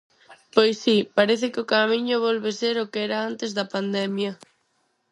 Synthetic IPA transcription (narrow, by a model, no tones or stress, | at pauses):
pojsːipaɾeθɪkɪokamiɲʊβ̞ɔlβeseɾʊkeɛɾaant̪ezðɐpand̪ɛmjɐ